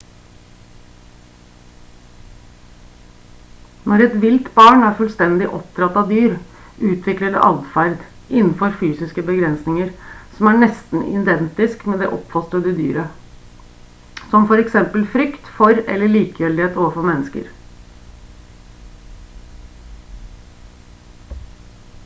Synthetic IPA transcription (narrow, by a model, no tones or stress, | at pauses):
nʔɔɾɛt̪ʋɪlt̪bɑːɳæːɾfʉlst̪ɛnd̪ɪʔɔpt̪ɾɑt̪ːɑʋd̪yːɾ | ʔʉːt̪ʰʋɪkləɖɛ̰ʔɑld̪fæɾd̪ | ʔɪnn̩fɔɾfyːsɪskəbəɡɾɛnsnɪŋəɾsɔmæɳɛst̪n̩ʔɪ̰d̪ɛnt̪ɪskmɛd̪ɛ̰ʔɔpfɑst̪ɾəd̪əd̪y̰ːɾə | sɔmfɔɾɛksɛmpəlfɾʏkt̪fɔɾɛ̰lːəɭiːkəœld̪ɪheːt̪oːʋəfɔɾmɛnːəskə̰ɾ